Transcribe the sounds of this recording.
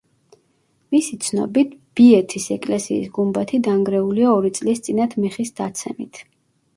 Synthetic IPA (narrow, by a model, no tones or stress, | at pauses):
misit̪sʰnɔ̰bit̪̚ʰb̥iɛt̪ʰisɛkʼlɛsḭːsɡumbat̪ʰid̪aŋɡɾɛuliaɔɾit̪sʼlist̪sʼinat̪ʰmiχisd̪at̪sʰɛmit̪ʰ